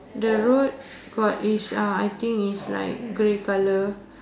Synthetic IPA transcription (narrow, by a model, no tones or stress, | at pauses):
dəɹot̚ | ɡ̥ɔtisãajt̪ĩŋisla̰ɪk̚ɡɹekalə